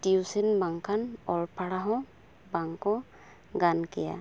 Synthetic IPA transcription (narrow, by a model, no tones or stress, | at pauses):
tiusinbaŋkʰanɔlpʰaɽaɦɔ̃ | baŋkɔ̃ | ɡankɛja̰